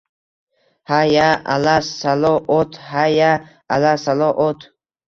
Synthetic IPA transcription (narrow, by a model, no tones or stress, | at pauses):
hajaa̰lassalɔʔɔt̪ʰhajaʔalasalɔʔɔt̪ʰ